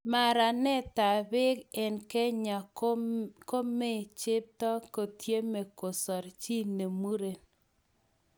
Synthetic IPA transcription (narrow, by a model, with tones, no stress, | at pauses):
ma˨ɾa˨nɛ˦ta˨bɪ˦kɛ˨nke˦ɲa˨ | ko˦me˦t͡ʃɪ˦p̚tɔ˦ko˨tje˦me˨ko˨sɔ˨ɾt͡ʃi˦ne˨mu˦ɾe˨n